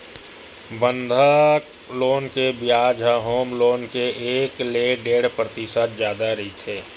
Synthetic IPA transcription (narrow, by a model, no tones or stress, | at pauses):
bə̃nd̪ʱa | loːnkebɪjaːd͡ʒʱaɦoːmloːnkeeːkleːɖeːɽ̤pɾət̪ɪsət̪zjaːd̪aɾɐit̪ʰeː